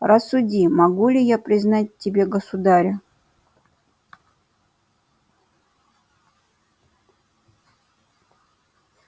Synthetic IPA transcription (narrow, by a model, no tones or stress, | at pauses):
rɐsːʊdʲimɐɡulʲɪjapɾʲɪznat̚ʲtʲːɪbʲe̞ɡəsʊd̪aɾʲə